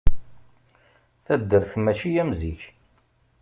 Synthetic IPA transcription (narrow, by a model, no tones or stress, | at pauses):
θæd̪ːəɾθmæʃijæmziç